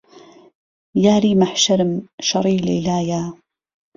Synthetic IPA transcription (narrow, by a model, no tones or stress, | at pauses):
jaːɾiːmaħʃaɾɪmʃɑɾˤiːlḛːlaːjaː